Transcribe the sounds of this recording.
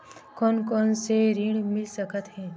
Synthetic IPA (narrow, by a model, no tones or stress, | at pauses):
kɔːnkɔːnseɾiɽmɪlsəkət̪ɦɛ̃ː